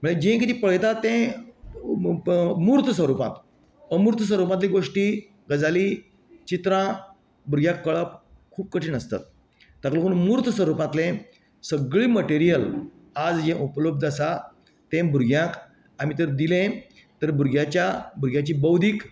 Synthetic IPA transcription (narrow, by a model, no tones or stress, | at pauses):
m̤əɳed͡ʑẽkit̪ʰipəɭ̤jt̪att̪ːẽ | muɾt̪ʰəsʋəɾupã̰t̪ | əmuɾt̪ʰs̬ʋəɾupãt̪lĩɡoʂʈiː | ɡəd͡zaliː | t͡ɕit̪ɾã | buɾɡjãkːəɭəp̚kʰuːp̚kəʈʰiːnəst̪a̰t̪̚ː | aklokuːnmuɾt̪ʰsəɾupãt̪lẽ | səɡɭiːməʈeɾijəl | ad͡zd͡ʑɛ̃ʔupləb̚d̪əsa | t̪ẽbʱuɾɡjãk | amit̪əɾd̪ilẽ | t̪əɾbʱuɾɡjat͡ɕjabuɾɡjãt͡ɕiːbəwd̪ʱiːk